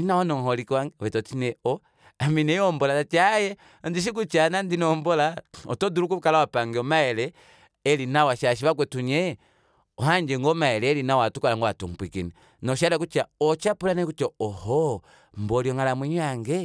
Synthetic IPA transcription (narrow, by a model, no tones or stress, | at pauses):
inawanɔŋhɔlikwaŋɡɛβɛtɔtinɛɔ | aminɛɔmbɔlaat͡ʃajɛ | ɔndiʃ̬ik̬ut͡ʃanandinɔmbɔlaɔtɔduɾukukalawapaŋɡɛɔmaɛlɛː | linawaʃaʃ̬iβak̬wɛtuɲɛ | ɔhaɲd͡ʒɛŋɡɔmaɛlɛːlinawatukalaŋɡɔatumpwikinɛ | nɔʃ̬alak̬ut͡ʃaɔt͡ʃapulanakut͡ʃɔɔhɔ | mbɔliɔŋalamwɛɲaŋɡɛ